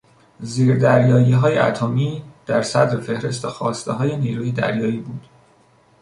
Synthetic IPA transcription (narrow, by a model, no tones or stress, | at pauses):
ziːɾd̪æɾjɒːjiːɦɒːjḛʔæ̰t̪ʰomiːd̪̥æɾsæd̪ɾefe̞hɾe̞st̪exɒːst̪eɦɒːje̞niːɾuːjed̪æ̰ɾjɒːiːbuːd̪̥